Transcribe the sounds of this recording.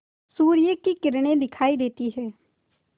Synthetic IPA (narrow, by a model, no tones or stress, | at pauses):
suːɾɪjeːkiːkɪɾɳeːd̪ɪkʰaːid̪eːt̪iːɦɛː